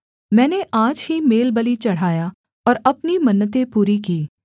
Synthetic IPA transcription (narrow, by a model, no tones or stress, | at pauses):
mɛ̃ːneʔaːd͡ʒhimeːlbəlit͡ʃɐɽ̤aːja | ɔːɾɐpnimɐnːət̪̬ẽpuːɾikiː